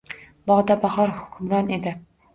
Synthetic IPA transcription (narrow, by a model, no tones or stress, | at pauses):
bɑʁd̪ɑbɑʁɑɾhʊ̥kʲʰymɾɑned̪ɪ